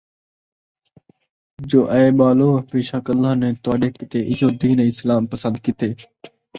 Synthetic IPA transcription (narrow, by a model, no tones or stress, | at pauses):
d͡ʒoːʔɛːɓaːloːpeːʃaːkəlːaːnẽːt̪ʊaːɗeːkɪt̪eːʔɪd͡ʒoːd̪iːneːɪslaːmpəsə̃nd̪̚kɪt̪eː